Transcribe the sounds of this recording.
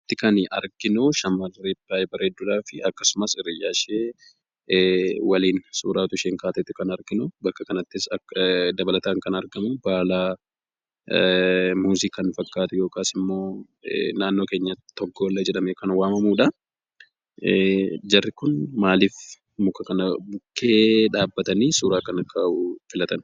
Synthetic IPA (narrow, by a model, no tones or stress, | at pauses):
t̪ːɪkɐnɐ̰ɾɡɪnʊʃɐmːɐlːibaːjbɐɾeːd̪ːʊlaːfɪɐkːɐsʊmɐsɪrːɪjaːʃeː | wɐliːnsuːɾaːt̪ʊɪʃeːŋkaːt̪ɛt̪ːɪkɐnɐɾɡɪnʊbɐkːɐkɐnɐt̪ːɪsɐd̪ɐbɐlɐt̪aːŋkɐnɐɾɡɐmʊbaːlaː | muːzikɐnfɐkːaːt̪ʊjoːkaːsɪmːo̞ː | naːnːo̞ːke̞ːɲːɐt̪ɔɡːoːlːɐd͡ʒɛɗɐmekɐnwaːmɐmuːᶑɐ | d͡ʒɐrːɪkʊnmaːliːf | mʊkːɐkɐnɐbʊkːeːᶑaːbːɐt̪ɐniːsuːɾaːkɐnɐkʰːaufɪlɐt̪ɐn